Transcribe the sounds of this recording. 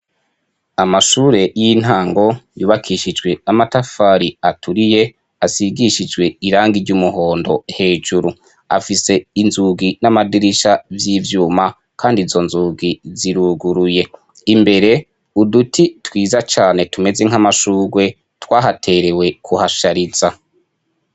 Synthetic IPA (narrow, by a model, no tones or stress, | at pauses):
amaʃuːɾe̞jin̥haːŋɡo̞juːβakʰiʃid͡ʒɡwe̞amatafaːɾiatʰuɾije̞ | asiɡiʃid͡ʒwe̞iɾaːŋɡiɾɟumuɦo̞ːndo̞he̞ːʒuɾu | a̰fise̞inzuɡinamadiɾiʃavjiːvjuːma | kʰaːndizo̞nzuːɡiziɾuɡuɾuje̞ | imbe̞ɾe̞ | udutʰitwiːzat͡ʃaːne̞tume̞ze̞ŋ̥amaʃuːɡwe̞ | twaːɦatʰe̞ɾe̞we̞kʰuhaʃaɾiz̥a